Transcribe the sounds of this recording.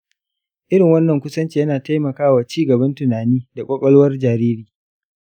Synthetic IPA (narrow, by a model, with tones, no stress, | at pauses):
ʔɪ˦ɾɪ˨ŋwɐ˦nːɐ˨ŋkʷʊ˦sɐ˦nt͡ʃi˨jɐ˦naː˨ta˦jmɐ˨kaː˦waː˨t͡ʃiː˦ɡɐ˨bɐ˦ntʊ˨naː˨niː˦da˨kʷʼɔ˦kʷʼɐ˦loː˦wɐ˦rd͡ʒaː˨ɾiː˦ɾiː˨